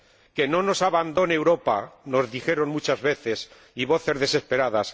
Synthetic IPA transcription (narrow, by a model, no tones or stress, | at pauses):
ke̞no̞no̞saβand̪oneewɾo̞pa̰no̞zðixe̞ɾo̞nmut͡ʃazβe̞θe̞s | iβ̞o̞θe̞zðe̞se̞spe̞ɾaðas